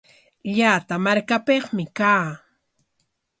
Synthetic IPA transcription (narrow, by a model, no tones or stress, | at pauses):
ʎaːt̪amaɾkapeχmɪkaː